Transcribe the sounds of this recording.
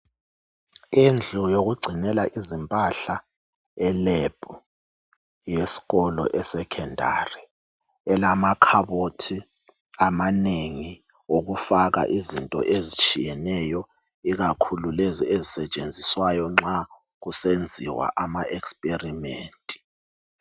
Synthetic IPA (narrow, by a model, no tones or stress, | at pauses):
ind͡ɮʱujoɣ̬uɡ͡ǀʱinɛlaʔizimpʼaɬa | ɛleb̥ʱʼu | jesi̥ɣɔlɔ̰ʔɛsɛkʰɛndʱa̰ri | ɛlamakʰaɓotʰi | amaneŋi | oɣ̬ufaɣa̰ʔizintʼɔ̰ʔezit͡ʃʼijɛnɛjɔ | iɣakʰululeziezisɛt͡ʃʼend͡zʱiswajɔŋ͡ǁa | ɣusend͡zʱḭwa̰ʔamaɛkspʼerimeːntʼi̥